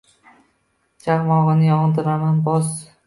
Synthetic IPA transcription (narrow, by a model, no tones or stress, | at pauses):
d͡ʒaʁmɒʁɨnɪjɒŋd̪ɪɾamanbɒs